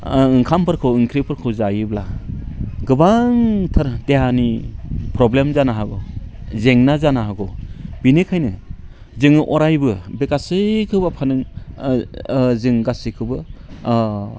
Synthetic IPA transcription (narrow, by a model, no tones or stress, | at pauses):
ɯŋkʰampʰɯɾkʰɯwɯŋkʰɾipʰɯɾkʰɯwzajɯbla | ɡɯbaŋtʰɯɾdeɦanipʰɾɔblemzanaɦaɡɔzeŋnazanaɦaɡɔb̥inekʰajnɯ | zɯŋɯʔɔɾajbɯbekasekʰɯbapʰanɯŋ | zɯŋɡasikʰɯbɯ